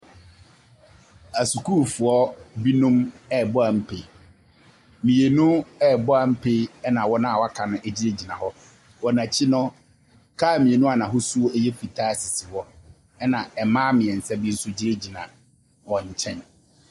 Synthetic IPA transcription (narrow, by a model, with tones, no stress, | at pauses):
æ˨su˨kʰu˦fʊ˨ɔ˦bi˦nũ˦mɛ˦˨bʊ˦a˨m̩˦pʰe˨ | mĩ˨e˨nʊ̃˦ɛ˦˨bʊ˦a˨m̩˦pʰe˦ɛ˦nã˨wɔ˦nã˦a˨wa˦kʰã˨nʊ̃˦ʔe˨d͡ʑi˦ɾe˦d͡ʑi˨nã̰˨hɔ˦ | wɔ˨nã˨t͡ɕʰɪ˦nʊ̃˦ | kʰaː˦˨mĩ˨e˨nũ˦a˨nã˨ɦʊ˦su˦o˦e˦jɛ˦fi˨tʰaː˦˨sɪ˨sɪ˨wɔ˦ | ɛ˦nã˨ɛ˨mãː˦mɪ̃˨ɛ˨n̩˨sɛ˦bɪ˦n̩˦sʊ˦d͡ʑi˦ɾe˦d͡ʑi˨nã̰˨ | wɔ̃˨ɲ̩˨t͡ɕʰɛ̃˦˨n